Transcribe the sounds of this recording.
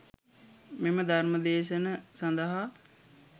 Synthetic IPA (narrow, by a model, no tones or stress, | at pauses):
meməd̪ʱarməd̪eːʃənəsɐnd̪əɦa